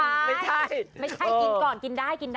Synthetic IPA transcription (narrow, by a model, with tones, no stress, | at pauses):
a˥˩a˥˩t͡ɕʰa˥˩jma˥˩t͡ɕʰa˥˩˧ki˧nkɔː˨˩nki˧ndaː˥˩jki˧nd